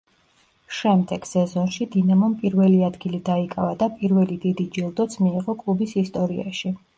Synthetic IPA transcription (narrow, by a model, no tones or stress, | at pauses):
ʃɛmd̪ɛɡ̥sɛzɔnʃid̪inamɔmpʼiɾvɛliad̪ɡilid̪aikʼavad̪apʼiɾvɛlid̪id̪id͡ʒilˠd̪ɔt̪sʰmiːʁɔkʼlˠubisist̪ʼɔɾia̰ʃi